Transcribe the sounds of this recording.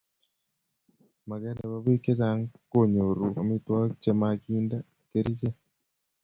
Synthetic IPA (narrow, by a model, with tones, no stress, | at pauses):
ma˨ɡɛ˦na˨βa˦bi˦ke˦za˨˦ŋko˦˨ɲo˨ɾu˨a˨mi˦twa˦t͡ʃe˦ma˨ɡi˦nda˦ | ke˦ɾi˦d͡ʒe˦